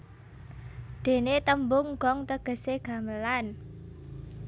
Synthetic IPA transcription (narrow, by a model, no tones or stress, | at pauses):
d̪̥e̤net̪əmbʊŋɡ̥ɔŋt̪əɡ̥ə̤seɡ̥ä̤məlan